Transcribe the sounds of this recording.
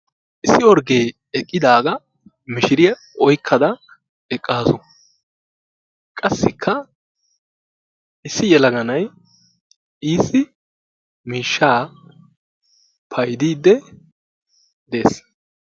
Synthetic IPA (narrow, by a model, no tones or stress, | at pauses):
ʔɪsːɪɔɾɡeː | ɛkʼːɪd̪aːɡɐ | mɪʃɪɾɪjɐ | ɔjkʰːɐd̪ɐ | ɛkʼːaːsʊ | kʼɐsːɪkʰːɐ | ʔɪsːɪjɛlɐɡɐnɐj | iːsːɪ | miːʃːaː | pʰɐjd̪iːd̪ːɛ | d̪e̞ːs